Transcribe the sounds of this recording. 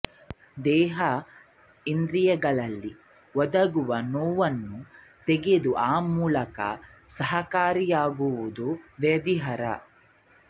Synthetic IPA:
d̪ɛːɦɐ | ind̪ɾijɐɡɐɭɐlːi | ʋɔd̪ɐɡuʋɐnoːʋɐnːu | t̪eɡed̪uʔaːmuːlɐkɐ̰ | sɐɦɐkaːɾijaːɡuʋud̪uʋɐd̪iɦɐɾɐ̰

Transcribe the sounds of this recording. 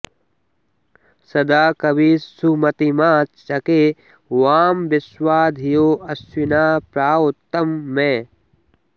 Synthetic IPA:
sɐd̪aːkɐbiːsumɐt̪imaːt͡ʃt͡ʃɐkeː | waːmbɪswaːd̪ʱijoːɐsinaːpɾaːt̪ːɐmːẽː

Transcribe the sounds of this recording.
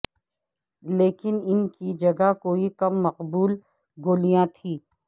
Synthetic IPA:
leːkɪnɪnkid͡ʒɐɡaɦkoːikɐmːɐqbuːl | ɡoːlijãt̪ʰiː

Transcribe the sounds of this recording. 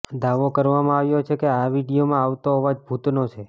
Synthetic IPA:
d̪aʋokəɾʋamãaʋjot͡ʃʰekeaʋiɽijomãaʋt̪oɦɔʋad͡ʒbʱut̪not͡ʃʰe

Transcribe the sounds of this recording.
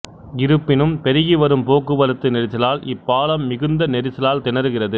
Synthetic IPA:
ɡɪɾɯpːɪnɯmpɛɾɪjiʋɐɾɯmpoːkːɯʋɐɾɯt̪ːɯnɛɾɪsɐlaːlɪpːaːlɐmːɪɣɯnd̪ɐnɛɾɪsɐlaːlt̪ɪnɐɾɯɣɪrɐðɯ

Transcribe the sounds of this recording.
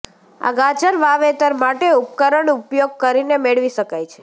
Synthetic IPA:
a̰ɡad͡ʒəɾʋaʋet̪əɾmaʈeup̚kəɾəɳupjoɡ̚kəɾinemeɭʋiʃəkajt͡ʃʰe̥

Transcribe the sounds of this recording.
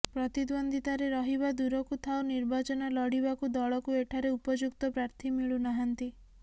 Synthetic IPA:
pɾɔt̪id̪wɔnd̪ʱit̪aɾeɾɔɦiβad̪uɾɔkut̪ʰawniɾbat͡ʃɔnalɔɽibakud̪ɔɭɔkueʈʰaɾeupɔd͡ʒukt̪ɔpɾaɾt̪ʰimiɭunaɦant̪i

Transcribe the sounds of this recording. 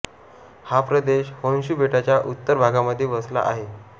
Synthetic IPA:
hapɾəd̪eɕhonɕuːbʱeʈat͡ɕjaʔut̪ːəɾbʱaɡaməd̪ʱːeʋəsla̰ʔa̰ɦe

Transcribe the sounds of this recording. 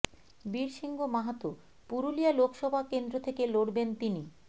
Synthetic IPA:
biɾʃiŋɡomaɦat̪o | puɾulialokʃɔbʱakend̪ɾot̪ʰekeloɽbent̪ini

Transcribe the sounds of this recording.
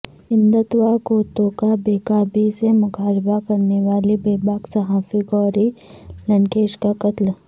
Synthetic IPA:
ɪ̃nd̪ət̪ʋakoːt̪õkabeːkaːbisemʊɡaːɾbakɐɾneʋaːlibeːbaːɡsɐɦaːfiɡɔːɾilɐ̃ɳkeːʃkakɐt̪l

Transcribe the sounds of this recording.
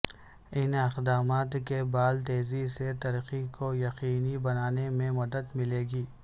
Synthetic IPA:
ɪnɪxd̪aːmaːt̪kebaːlt̪eːziset̪ɐɾqikojɐqiːnibɐnaːnemẽmɐd̪əd̪mɪleːɡiː

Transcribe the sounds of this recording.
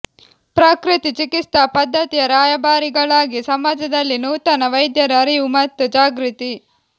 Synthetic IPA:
pɾɐkɾit̪it͡ʃikit̪ɐpɐd̪ʱːɐt̪ijɐɾaːjɐbaːɾiɡɐɭaːɡisɐmaːd͡ʒɐd̪ɐlːinuːt̪ɐnɐʋɐjd̪jɐɾɐːɾiʋumɐt̪ːud͡ʒaːɡɾut̪i

